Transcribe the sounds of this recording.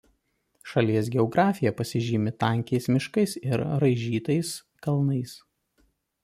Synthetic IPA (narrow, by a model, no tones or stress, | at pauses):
ʃɐlʲiɛs̬ɡʲɛɔɡɾʔɑːfʲɪjɛpɐsʲɪʒʲiːmʲɪt̪ɑˑŋʲkʲɛɪsmʲɪʃkɐɪsɪɾɾɐɪʒʲiːt̪ɐɪs | kɐlˠnɐɪs